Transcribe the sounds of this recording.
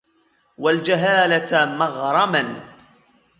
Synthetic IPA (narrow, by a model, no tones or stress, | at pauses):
wald͡ʒaɦaːlat̪mɑɣɾˤɑman